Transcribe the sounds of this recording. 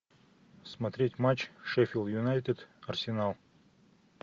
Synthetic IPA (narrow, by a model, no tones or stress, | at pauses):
smɐt̪ɾʲetʲmat͡ɕʂɛfʲɪlˠjʊnajt̪ʲɪd̪ɐrsʲɪnalˠ